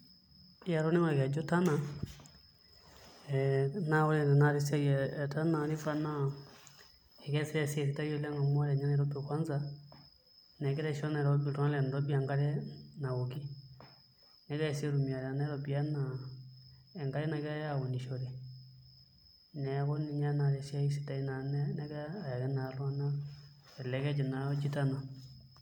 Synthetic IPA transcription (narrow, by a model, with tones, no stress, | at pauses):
a˨ɾɔ˦nɛ˦a˦˨kɛ˨d͡ʒɔ˦ta˦na˨ | ɛ˨na˦wɔ˦lɛ˦˨nɛ˨na˦ɾi˦sɛ˦ɡɛ˨ta˦na˨ɾi˦fa˦na˦ | ɛ˨kɛ˦sɛ˦ɾɛ˦se˨ɾi˨ta˦jo˦lɛ˦ŋa˨m˦a˦ɾɛ˨ɲa˦n˦˨ɾɔ˦pɛ˨kwa˦nza˦ | nɛ˨kɛ˦ɾɛ˦ʃɔ˦na˨ɾɔ˦bi˨tɔ˦a˦lɛ˨n˨ɾɔ˦bi˦a˨ŋɡa˦ɾɛ˦na˨wo˨ki˦ | nɛ˨˦kɛ˦˨si˦e˦ɾu˨mi˨a˨ɾa˨nɛ˦ɾɔ˦bi˦a˦na˨ | ɛ˨ŋɡa˦ɾɛ˦na˨kɛ˦ɾa˦ja˦˨ɔ˨ni˨ʃɔ˨ɾɛ˨ | nɛ˨˦kɔ˦ni˨ɲa˦na˨ɾɛ˨si˦a˦i˦si̥˨ta˨i˦na˨nɛ˦nɛ˦kɛ˦a˨ja˨kɛ˦na˨lɔ˦a˦na˦ | ɛ˨lɛ˨˦kɛ˦d͡ʒɛ˨na˨ɔ˦d͡ʒi˦ta˦na˨